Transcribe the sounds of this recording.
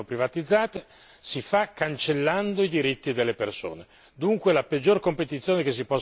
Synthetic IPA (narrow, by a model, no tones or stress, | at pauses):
opɾivat̪id̪zːaːt̪e | sifakːant͡ʃelːand̪oid̪iɾit̪ːid̪elːeperso̰ːne | d̪uŋkwelaped͡ʒːorkompet̪it̪sːjoːnekes̬ːipɔs